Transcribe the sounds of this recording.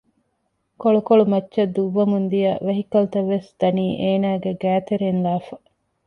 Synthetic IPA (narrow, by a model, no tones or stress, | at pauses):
koɭukoɭumɐtːʃɐd̪uʋːɐmund̪ijɐʋɐɦikɐlut̪ɐʋːesd̪̥ɐniːʔeːnaːɡeɡæːt̪eɾenlaːfɐ